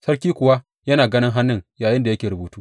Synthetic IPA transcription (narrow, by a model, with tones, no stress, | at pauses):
sɐ˦rkʲiː˦kʷʊ˨wa˦ | jɐ˦naː˨ɡɐ˦nɪ˦ŋɦa˦nːɪ˦˨ŋjaː˨jɪ˦nda˨jɐ˦kʲeː˨ɾʊ˨buː˨˦tuː˦